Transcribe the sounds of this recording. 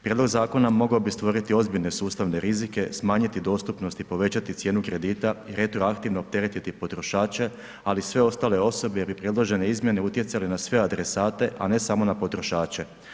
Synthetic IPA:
pɾjed̪lo̞ɡzaːko̞namo̞ɡaobist̪ʋo̞ɾit̪io̞zbiʎne̞suːst̪aʋneɾizike̞smaːɲit̪id̪o̞ːst̪upno̞st̪ipo̞ʋe̞t͡ɕat̪it̪sje̞ːnukɾe̞d̪iːt̪aiɾe̞t̪ɾoakt̪iʋnoːp̚t̪e̞ɾet̪it̪ipo̞t̪ɾo̞ʃaːt͡ɕe̞ | alisʋe̞o̞st̪aːle̞o̞so̞beeɾbipɾje̞d̪lˠo̞ʒe̞ne̞izmje̞ne̞ut̪je̞t̪salinasʋe̞ad̪ɾesaːt̪e̞ʔane̞samo̞napo̞t̪ɾo̞ʃaːt͡ɕe̞

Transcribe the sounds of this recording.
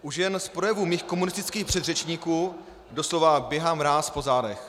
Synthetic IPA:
ʔuʒjɛnspɾo̞jɛvumiːxkomunɪst̪ɪt͡skiːxpr̥ɛd̪rɛt͡ʃɲiːkuː | doslovabjɛɦaːmɾaːspo̞zaːdɛx

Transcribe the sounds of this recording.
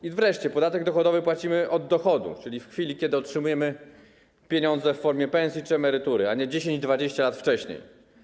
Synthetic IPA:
ivɾɛʂt͡ɕɛpɔd̪at̪ɛɡ̚d̪ɔxɔd̪ɔvɘpwat͡ɕimɘʔɔd̪ːɔxɔd̪ṵt͡ʂɘlʲifxfʲilʲikʲɛd̪ɘɔtʂɘmujɛmɘ | pʲjeɲɔnd̪zɛfːɔɾmʲjɛpɛñsʲjit͡ʂɘɛmɛɾɘt̪uɾɘaɲɛd͡ʑeɕẽɲd͡ʑd̪vad͡ʑeɕt͡ɕalat̪ft͡ʂɛɕɲḛj

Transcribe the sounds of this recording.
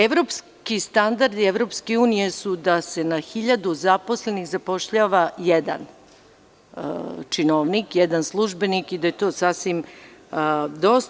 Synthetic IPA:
eʋɾo̞ps | kist̪and̪aɾd̪ieʋɾo̞pskeuːnijesud̪ase̞naxiʎad̪uzapo̞sle̞niɣzapo̞ʃʎaːʋajed̪a̰n | t͡ʂinoːʋnikjɛd̪anslˠuʒbe̞nikid̪ajet̪o̞ːsasʋim | d̪o̞s

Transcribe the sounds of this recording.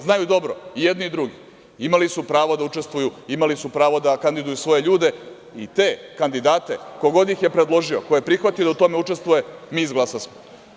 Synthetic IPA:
znajud̪o̞bɾoijed̪niid̪ɾuɡi | imalisupɾaːʋod̪aut͡ʂest̪ʋujuimalisupɾaːʋo̞d̪akand̪id̪ujusʋo̞jeʎuːd̪e̞ | it̪e̞ːkand̪id̪aːt̪ekoɡo̞d̪jixjepɾed̪lˠo̞ʒioko̞jepɾixʋat̪ijod̪aut̪o̞meut͡ʂe̞st̪ʋuje̞miːizɡlˠasasmo

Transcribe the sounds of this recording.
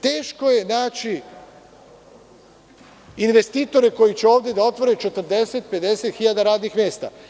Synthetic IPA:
t̪eːʃko̞je̞naːt͡ʃi | inʋe̞st̪iːt̪o̞ɾeko̞jit͡ɕeo̞ːʋd̪jed̪ao̞t̪ʋo̞ɾe̞t͡ʃe̞t̪r̩d̪e̞set̪̚pe̞d̪e̞set̪xiʎad̪aɾaːd̪nixmʲje̞ːst̪a̰

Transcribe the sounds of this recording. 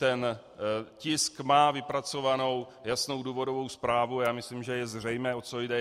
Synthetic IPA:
t̪ɛn | cɪskmaːvɪpɾat͡so̞vano̞w | jasno̞wduːvo̞do̞vo̞wspɾaːvuajaːmɪslimʒɛjɛzr̝ɛjmɛːʔo̞t͡sojdɛ

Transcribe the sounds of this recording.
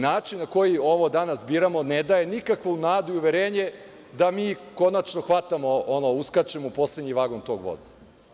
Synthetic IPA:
naːt͡ʃinːako̞jio̞ʋo̞d̪anasbiːɾamo̞ned̪aje̞nikakʋounaːd̪uiuʋeɾeːɲe̞ | d̪amiːko̞nat͡ʃno̞xʋat̪amo̞onouskat͡ʃemoupo̞sledɲiʋaɡo̞nt̪o̞ːɡʋo̞̰zḁ

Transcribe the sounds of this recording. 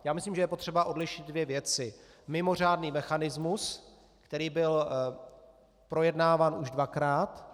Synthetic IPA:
jaːmɪsliːmʒɛjɛpo̞t̪r̥ɛbaʔo̞dlɪʃɪd̪̚dvjɛvjɛt͡sɪ | mɪmo̞r̝aːdniːmɛxanɪzmus | kt̪ɛɾiːbɪl | pɾo̞jɛdnaːvaːnuʒdvakɾaːt̪

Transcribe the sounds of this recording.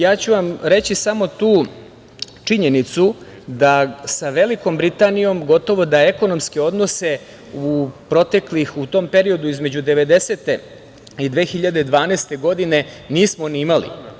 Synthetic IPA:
jaːt͡ɕuʋamɾe̞t͡ɕisamo̞t̪uː | t͡ʂiɲe̞nit̪su | d̪asaʋe̞liko̞mbɾit̪anijo̞mɡo̞t̪o̞ʋo̞d̪aeko̞no̞mske̞o̞d̪no̞se̞ | upɾo̞t̪e̞klixut̪o̞ːmpe̞ɾio̞d̪uizme̞d͡ʑud̪e̞ʋe̞d̪e̞seːt̪e̞ | id̪ʋe̞ːxiʎad̪ed̪ʋaːnest̪e̞ɡo̞d̪ine̞ | niːsmoniimalḭ

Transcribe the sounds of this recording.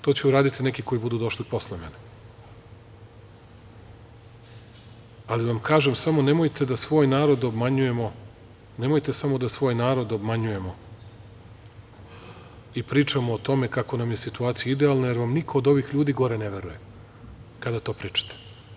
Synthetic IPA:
t̪o̞ːt͡ɕeuɾaːd̪it̪ine̞kiko̞jibud̪uːd̪o̞ʃlipo̞slemḛne | aliʋamkaːʒemsamo̞ne̞mo̞jt̪e̞d̪asʋo̞ːjnaːɾo̞d̪o̞bmaɲuje̞mo̞ | ne̞mo̞jt̪e̞samo̞d̪asʋo̞ːjnaːɾo̞d̪o̞bmaɲujemo̞ | ipɾiːt͡ʃamoːt̪o̞me̞kako̞namjesit̪uaːt̪sijaid̪ealˠnaje̞ɾʋamnikʰo̞ːd̪o̞ʋixʎuːd̪iːɡo̞ɾeneʋeɾuje̞ | kad̪at̪o̞ːpɾiːt͡ʃḁt̪e̥

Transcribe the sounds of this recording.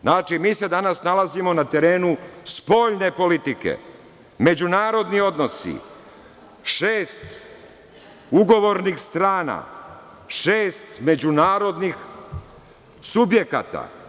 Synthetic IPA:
znaːt͡ʃimiːse̞d̪anasnalazimo̞nat̪e̞ɾe̞ːnuspo̞ːʎne̞po̞lit̪ikḛ | me̞d͡ʑunaːɾo̞d̪nio̞d̪no̞sḭ | ʃeːst̪ | uɡo̞ʋo̞ɾnixst̪ɾaːna̰ | ʃeːst̪me̞d͡ʑunaːɾo̞d̪nix | subje̞ka̰ːt̪a̰

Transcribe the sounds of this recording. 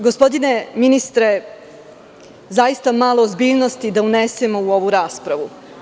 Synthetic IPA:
ɡo̞spo̞d̪ine̞minist̪ɾe | zajist̪amaːlˠo̞ːzbiːʎnost̪id̪aunesemo̞uo̞ʋuɾaːspɾaʋu

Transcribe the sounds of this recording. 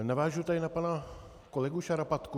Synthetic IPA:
navaːʒut̪aɪnapana | kolɛɡuʃaɾapat̪ku

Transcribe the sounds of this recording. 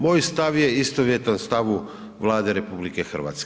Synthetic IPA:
moːjst̪aʋjeist̪oʋjet̪anst̪aʋu | ʋlˠaːd̪eɾe̞publikexr̩ʋa̰ːt̪sk

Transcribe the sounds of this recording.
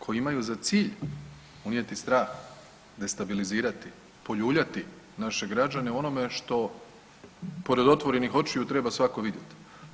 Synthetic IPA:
kʰo̞jiimajuzat̪siːʎ | unje̞t̪ist̪ɾaːx | d̪e̞st̪abiliziːɾat̪i | po̞ʎuːbʎat̪i | naʃe̞ɡɾad͡ʒane̞o̞no̞me̞ʃt̪o̞ | po̞ɾed̪o̞t̪ʋo̞ɾenixo̞t͡ʃijut̪ɾe̞basʋako̞ʋid̪jet̪i̥

